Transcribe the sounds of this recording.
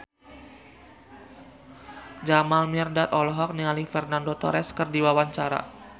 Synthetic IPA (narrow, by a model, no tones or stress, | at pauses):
d͡ʒamalmirdat̪ɔlɔɦɔk̚nialifɛrnandot̪ɔ̰ɾɛskərdiwawaɲt͡ʃaɾa̰